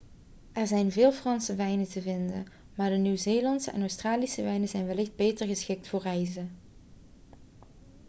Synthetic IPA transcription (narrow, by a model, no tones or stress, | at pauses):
ʔɛɹzɛjnvɪːlˠfrɑnsəʋɛjnətəvɪndə̰n | maːɹdənywzeːlɑntsəʔɛ̰nowstraːlisəʋɛjnəzɛjnʋɛlɪxd̚bejtəɹɣəsxɪk̚tfoːrɛjzə